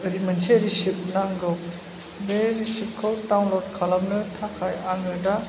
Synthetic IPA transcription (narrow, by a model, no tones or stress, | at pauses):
ɯɾimɐnseɾisip̚naŋɡɯw | beɾisip̚kʰɯwtawnlɔtkʰalamnɯtʰakʰajaŋɯda